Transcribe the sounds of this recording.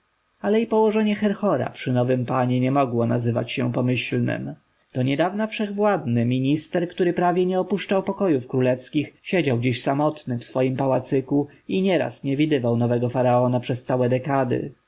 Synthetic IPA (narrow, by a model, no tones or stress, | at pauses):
alɛipɔwɔʐɛɲɛxɛɾxɔɾa̰pʂɘnɔvɘmpaɲɛɲɛmɔɡwɔna̰zɘva̰t͡ɕɕɛ̰pɔmɘɕlnɘ̰m | d̪̥ɔɲɛd̪avnafʂɛɣvwad̪nɘmʲiɲist̪ɛɾkt̪uɾɘpɾavʲjɛɲɛɔpuʂt͡ʂawpɔkɔjufkɾulɛfskʲixɕed͡ʑawd͡ʑeɕsamɔt̪nɘfsfɔjimpawat̪sɘku | iɲɛɾa̰sɲɛvʲid̪ɘvawnɔvɛɡɔfaɾaɔnapʂɛst̪sawɛd̪ɛkad̪ɘ̰